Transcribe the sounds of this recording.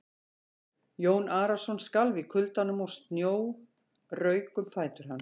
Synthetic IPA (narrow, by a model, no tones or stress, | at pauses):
joːwnaːɾasɔnskalvɪkʰʏlt̪anːʏmawst̪njoːw | rœːɥkʏmfaːjt̪ʏɾ̥hanː